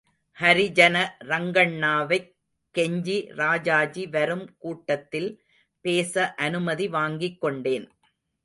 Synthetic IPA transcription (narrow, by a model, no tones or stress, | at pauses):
hɐɾɪd͡ʒɐnɐɾɐŋɡɐɳːaːʋɐɪ | kːɛɲd͡ʒiɾaːd͡ʒaːd͡ʒiʋɐɾɯmkuːʈːɐt̪ːɪl | peːsɐʔɐnɯmɐðiʋaːŋɡɪkːɔɳɖeːn